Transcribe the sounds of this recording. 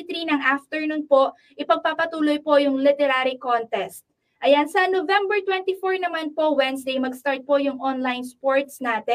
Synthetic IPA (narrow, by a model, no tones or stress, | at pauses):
t̪ɾinɐŋʔaft̪ɛɹnon̚po̞ʔ | ʔɪpɐɡ̚papɐt̪uːlojpo̞jʊŋlɪt̪ɛɾaɾikont̪ɛst̪̚ | ʔɐjansɐnovɛmbɛɹt̪wɛnt̪ifoɹnɐmanpo̞wɛnsd̪ejmɐɡst̪aɹt̪̚po̞jʊŋʔonlajnspoɹt̪snaːt̪ɛ